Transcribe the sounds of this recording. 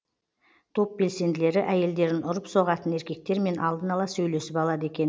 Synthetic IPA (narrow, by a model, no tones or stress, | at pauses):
t̪ʰo̞p̚be̞lse̞nd̪ɪle̞ɾɪʔæje̞ld̪e̞ɾɪnʊɾəpso̞ʁɑt̪əne̞ɾkʲe̞k̚t̪e̞ɾme̞nʔɑlˠd̪ənɑlˠɑsɵjle̞sɪpɑlˠɑd̪əe̞kʲe̞n